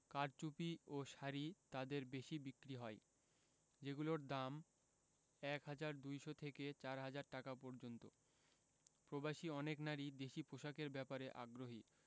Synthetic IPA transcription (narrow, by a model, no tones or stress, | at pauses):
kaɾt͡ɕupioʃaɾit̪ad̪eɾbeʃibikːɾiɦɔe | d͡ʑeɡuloɾd̪am | ɛkɦad͡ʑaɾd̪ujʃot̪ʰeket͡ɕaɾɦad͡ʑaɾʈakapɔɾd͡ʑont̪o | pɾobaʃiɔneknaɾid̪eʃipoʃakeɾbɛpaɾeʔa̰ɡɾoɦi